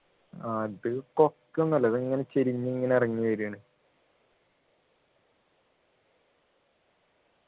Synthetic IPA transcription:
aːiðɨkokːunːɐlːɐðeŋːɐnet͡ɕeɾiɲːɨiŋːɐneɐrɐŋːiʋɐɾiɳɨ

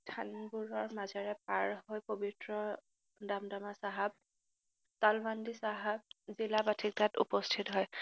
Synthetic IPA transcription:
tʰanbuɹɔɹmazaɹɛp̚aɹhojpobitɹɔ | damdamasaɦab̚ | talmandisaɦab̚zilabatʰik̚ɡatṵpɔstʰitɦɔj

